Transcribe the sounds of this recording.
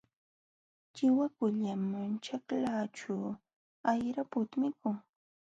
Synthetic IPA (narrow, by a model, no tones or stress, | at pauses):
t͡ʃɪwakʊʎamant͡ʃaklaʈ͡ʂuː | ajɾapʊt̪mɪkʊŋ